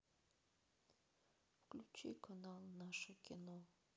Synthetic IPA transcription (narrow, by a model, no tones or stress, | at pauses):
fklʲut͡ʃikʰanalˠnaʃəkʲino